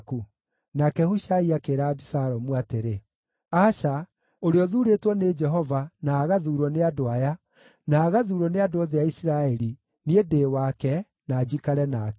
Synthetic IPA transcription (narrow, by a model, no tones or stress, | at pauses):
ku | nakɛhuʃaiakeːɾaːbisaɾɔmuateɾe | aʃa | oɾeɔðuːɾetwɔned͡ʒɛɦɔvanaːɣaðuːɾɔneadoaja | naːɣaðuɾɔneadoɔðeaisiɾaɛɾi | niedeːwakɛ | naːd͡ʑikaɾɛnakɛ